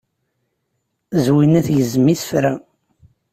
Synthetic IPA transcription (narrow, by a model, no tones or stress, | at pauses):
zwinæθʝəzəmiθə̥fɾæ